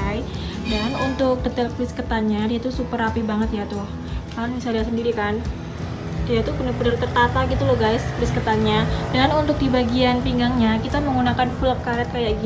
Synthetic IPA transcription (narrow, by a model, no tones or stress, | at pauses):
j | danunt̪ʊk̚dət̪ɛlpɾiskət̪anɲadiat̪usupəɾapibaŋət̪jat̪ʊh | kanmisaldiasəndiɾikan | diat̪upənəpənərt̪ərt̪at̪aɡit̪ulɔhɡajspɾiskət̪anɲadanunt̪ʊk̚dibaɡianpiŋɡaŋɲakit̪aməŋunakanfulap̚kaɾɛt̪̚kajaʔɡi